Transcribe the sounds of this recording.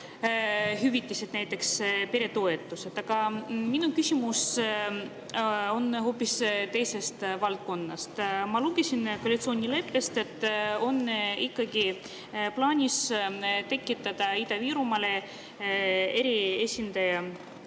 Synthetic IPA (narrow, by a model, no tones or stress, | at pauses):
ɦyvit̪ʲːˑisid̪̥næjt̪ːˑe̞kspeɾe̞t̪o̞e̞t̪ːˑuse̞t̪ɑɡ̥ɑminukysʲimus | o̞nho̞ːpːˑist̪e̞jse̞st̪vɑlt̪̚ko̞nːɑ̰st̪mɑluɡe̞sʲinkoɑlʲit̪so̞ːnʲile̞pːe̞st̪e̞t̪ːˑo̞nikːɑɡi | plɑːnʲist̪e̞kːˑit̪ːˑɑd̪̥ɑid̪ɑviːɾumɑle̞ | e̞ɾiesʲind̪̥ɑjɑ